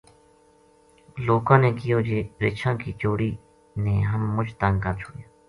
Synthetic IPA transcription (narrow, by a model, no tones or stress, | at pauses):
loːkãːneːkɪjoːd͡ʒeːɾeːt͡ʃʰãːkiːt͡ʃoːɽiː | neːɦəmːʊd͡ʒt̪əŋɡkəɾt͡ʃʰʊːɽjãː